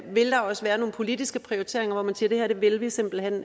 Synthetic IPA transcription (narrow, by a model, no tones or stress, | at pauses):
ʋe̝ld̥ɑ̈ɒ̽səʋæːɐno̝ːn̩pʰo̝lid̥isɡ̥əpʰʁioʁit͡sʰe̝ɐ̰eŋɐʋɒmænsiːɐd̥eæɐɾ̥e̝ʋe̝lʋise̝m̰b̥l̩hen̰